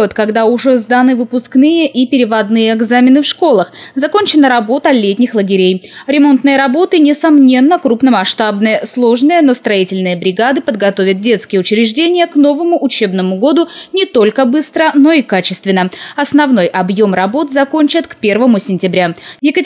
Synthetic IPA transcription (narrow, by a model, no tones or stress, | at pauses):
ot̪kɐɡd̪aʊʐɛzd̪anɨvɨpʊsknɨjəʔipʲɪɾʲɪvɐd̪nɨjəɛɡzamʲɪnɨfʂko̞lˠəxzɐko̞nʲt͡ɕɪnəɾɐbo̞t̪əlʲetʲnʲɪxlˠəɡʲɪɾʲejɾʲɪmo̞nt̪nɨjəɾɐbo̞t̪ɨnʲɪsɐmnʲe̞nːəkɾupnəmɐʂt̪abnəjəslˠo̞ʐnəjənost̪ɾɐitʲɪlʲnəjəbɾʲɪɡad̪ɨpəd̪ɡɐt̪o̞vʲɪt̪̚dʲe̞t̪skʲɪjəʊt͡ɕɾʲɪʐdʲenʲɪjəkno̞vəmʊʔʊt͡ɕe̞bnəmʊɡo̞d̪ʊnʲɪt̪o̞lʲkəbɨst̪ɾəno̞ikat͡ɕɪst̪vʲɪnːəɐsnɐvno̞jʔɐbjo̞mrɐbo̞t̪zɐko̞nʲt͡ɕət̪kpʲe̞rvəmʊsʲɪnʲtʲɪbɾʲajɪkə